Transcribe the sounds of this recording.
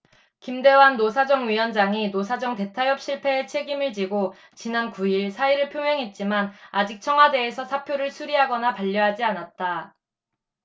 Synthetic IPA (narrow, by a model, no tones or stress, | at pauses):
kimde̞wanːosʰad͡ʑʌŋɥiwʌnd͡ʑaŋinos̬ʰad͡ʑʌŋte̞tʰajʌp̚ɕ͈ʰiɭpʰe̞ːt͡ɕʰe̞ɡimɯɭt͡ɕiɡo | t͡ɕinankuiɭsʰaiɾɯɭpʰjoŋɦeŋɦe̞t̚t͡ɕ͈imanad͡ʑik̚t͡ɕʰʌŋɦwade̞ːsʰʌsʰapʰjoɾɯɭsʰuɾiɦaɡʌnapaʎːʌɦad͡ʑianat̚t͈a